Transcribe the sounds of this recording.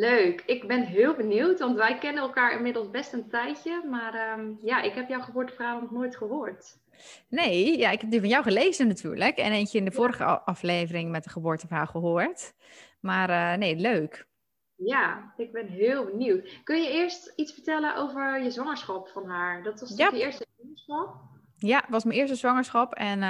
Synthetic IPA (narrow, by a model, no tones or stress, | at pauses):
løɥkʰɪkbɛnɦɪːlˠbəniwtʋɑntʋɛjkɛnənɛlˠkaːɹɪnmɪdəl̩ˠsbɛstəntɛjtəmaːrəmjaʔɪkɦɛpjɔwχəbʊːɹtəfrawnɔχnoːjtχəɦoːɹt | nejjaɪkɦɛp̚dəvɔnjawχəleːzənatʰy̰ːɹləkɛ̰nejnsəɪndəvoːɾəχə̰ʔɑfleːvərɪŋmɛt̚dəχəboːɹtəfrawχəɦoːɹt | marəneːløːk | jaɪɡ̚bɛnɦɪːlˠbəniwtkɵnjəɪəɹstitsfəɹtɛlənʔowvəɹjəzʋɔŋəɹsχɑpfɔnɦaːɹdɔtʋɑsaəɪːɹstəzŋəsɑp | jaʋɑsmənɪəɹstəzʋɔŋəɹsχɑpʰɛn